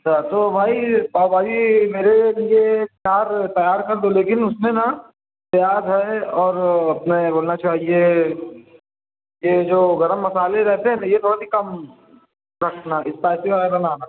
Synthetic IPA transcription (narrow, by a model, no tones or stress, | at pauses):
ɐt͡ʃʰat̪obʱaːipaːobaːd͡ʒimeːɾeliet̪jaːɾt̪ɐjaːɾkɐɾd̪oleːkɪnʊsmẽna | t̪jaːdɦɛɔːɾɐpneboːlnat͡ʃaːɦje | jed͡ʒoːɡɐɾəmːɐsaːleɾɛɦt̪eɦɛ̃najet̪ʰoːɽasikɐm | ɾɐkʰnaɪspaːɪsiʋaeɾɐnaːna